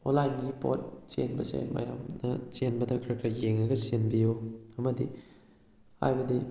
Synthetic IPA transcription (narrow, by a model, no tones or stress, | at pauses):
onlajnɡipo̰t̚t͡ʃḛnbɐsḛmɐ̰jamnɐ̰t͡ʃenbɐdɐkʰɐɾkʰɐɾjeŋɐɡɐsenbijoɐmɐdḭ | ha̰jbɐdi